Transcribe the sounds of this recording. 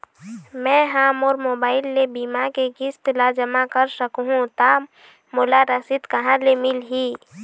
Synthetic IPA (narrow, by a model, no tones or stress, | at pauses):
mɛ̃ːɦaːmɔːɾmoːbaːɪlːebimakeɡɪst̪lad͡ʒəmakəɾsəkɦũt̪a | mʊlaɾəsit̪kəɦãlemɪlɦiː